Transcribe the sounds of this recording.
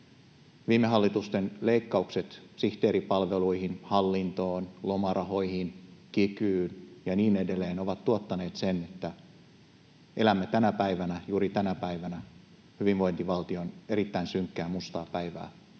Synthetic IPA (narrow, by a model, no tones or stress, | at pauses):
ʋiːmːeɦɑlːit̪ust̪enleikːɑukse̞t̪siht̪eːɾipɑlʋe̞luihinhɑlːint̪o̞ːnlo̞mɑrɑho̞jhinkikyːnjɑniːnedelːeːno̞ʋɑt̪ːuot̪ːɑne̞ːt̪sene̞t̪ːæ | ʔe̞læmːet̪ænæpæiʋænæjuːɾit̪ænæpæiʋænæ | hyʋinʋo̞jnt̪iʋɑlt̪io̞neɾit̪ːæinsyŋkːæːmust̪ɑːpæiʋæ̰ː